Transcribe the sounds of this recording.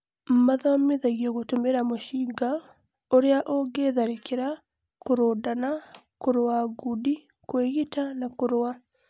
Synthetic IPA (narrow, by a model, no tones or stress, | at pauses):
mmaðameðaɣijoɣotumeɾamoʃiɡa | oɾeaʔoɡeðaɾekeɾa | koɾodana | kuɾwaɡudi | kweɣitanakuɾwa